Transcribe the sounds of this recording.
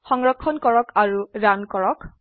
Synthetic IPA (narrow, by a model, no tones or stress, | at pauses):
xɔŋɹɔkʰːɔnkɔɹɔkʰaɹuɹankɔɹɔk